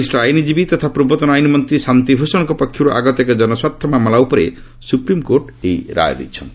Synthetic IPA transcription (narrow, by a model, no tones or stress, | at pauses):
isʈɔajnid͡ʒibit̪ɔt̪ʰapɾubɔt̪ɔnajnimɔnt̪ɾisant̪ibʱusɔ̃kɔpɔkʰːjuɾuʔa̰ɡɔt̪ɔked͡ʒɔnɔswapt̪ʰɔmamɔlaupɔɾe | supɾimkoɾʈ | ejɾa̰jd̪ḭt͡ʃʰɔnt̪i̥